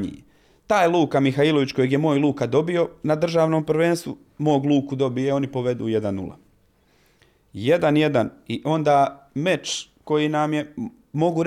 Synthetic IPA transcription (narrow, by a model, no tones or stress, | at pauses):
ɲḭ | t̪aːjluːkamixaiːlˠoʋit͡ɕko̞jeɡjemo̞ːjlˠuːkad̪o̞bio̞nad̪r̩ʒaːʋno̞ːmpɾ̩ʋeːnst̪ʋu | mo̞ːɡlˠuːkud̪o̞bijeo̞nipo̞ʋe̞d̪ṵːje̞d̪anːṵla̰ | je̞d̪anje̞d̪aniʔo̞nd̪aːme̞t͡ʃ | ko̞jinamje̞ | mo̞ɡuɾ